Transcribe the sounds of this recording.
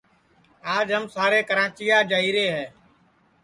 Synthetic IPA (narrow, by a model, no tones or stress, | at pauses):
aːd͡ʒɦəmsaːɾeːkəɾãːt͡ʃɪjaːd͡ʒaːiːɾeːɦɛː